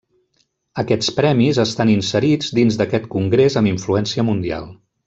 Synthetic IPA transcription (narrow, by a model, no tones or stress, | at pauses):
əkɛt͡spɾɛmizəst̪aninsəɾid͡zd̪inzd̪əkɛt̪kuŋɡɾezəmiɱfluɛnsiəmund̪ia̰lˠ